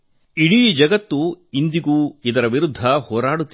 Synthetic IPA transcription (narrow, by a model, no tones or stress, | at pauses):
iɽid͡ʒɐɡɐt̪ːuind̪iɡuːid̪ɐɾɐʋiɾud̪ʱːɐhoːɾaːɽut̪ː